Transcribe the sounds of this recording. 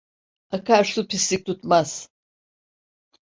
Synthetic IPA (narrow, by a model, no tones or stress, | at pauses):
akʰaɾsupʰislʲik̚t̪ʰut̪maz̥